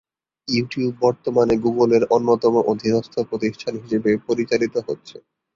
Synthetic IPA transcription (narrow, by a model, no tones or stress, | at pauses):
juʈiubːɔɾt̪omaneɡuɡoleɾonːot̪ɔmoʔod̪ʱinɔst̪ʰopɾot̪iʃʈʰanɦiʃebepoɾit͡ɕalit̪oɦotːɕʰe